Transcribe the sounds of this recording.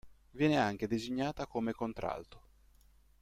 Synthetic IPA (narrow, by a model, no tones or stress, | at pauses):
vjɛːneaŋk̟ed̪eziɲːaːt̪akomekont̪ɾa̰lt̪o̥